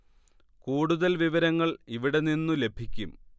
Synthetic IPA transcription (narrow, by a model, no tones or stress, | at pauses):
kuːɽuðɐlʋiʋɐɾɐŋːɐɭiʋiɽe̞ninːule̞bʱikʲːum